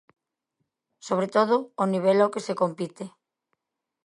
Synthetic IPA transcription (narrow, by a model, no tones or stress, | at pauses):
soβ̞ɾet̪oð̞oːniβ̞elokesekompit̪e